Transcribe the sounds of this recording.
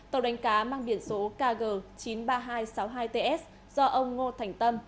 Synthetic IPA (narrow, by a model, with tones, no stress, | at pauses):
t̪ə˨˩wɗa˨˦jŋ̟kaː˨˦maː˧ŋɓi˧˩ənso˨˦kaː˧ɣəː˧˩t͡ɕi˨˦nɓaː˧ɦaː˧jsa˨˦wɦaː˧jt̪e˧ʔɛ˦˥ | z̥ɔ˧ʔə˧wŋ͡mŋo˧t̪ʰa˨˩jŋ̟t̪ə˧m